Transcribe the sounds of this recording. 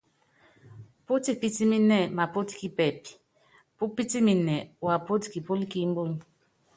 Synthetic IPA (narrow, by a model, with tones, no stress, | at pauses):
pu˦ti˨pi˦ti˦mi˦nɛ˦˨ma˨po˦ti̥˦ki˨pɛ˨pi̥˨ | pu˦pi˦ti˦mi˨nɛ˨wa˨po˦ti̥˨ki˨po˦li˦ki˦m̩˦bo˦n˨